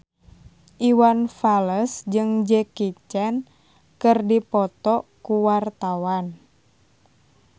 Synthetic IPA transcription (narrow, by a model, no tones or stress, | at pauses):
ʔiwanfaləsd͡ʒɨŋd͡ʒɛkit͡ʃɛn | kɨrdipɔt̪ɔkuwart̪awan